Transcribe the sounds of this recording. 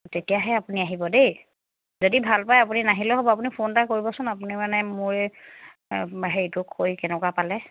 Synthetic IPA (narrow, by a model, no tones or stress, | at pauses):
tetijaɦɛapuniaɦibɔdej | zodibʱalpajapuninaɦilɛɦobɔap̬unipʰontakoɹibɔsʊnapunimanɛmʊɹɛ | aɦɛitukʰojkɛnɛkwapalɛ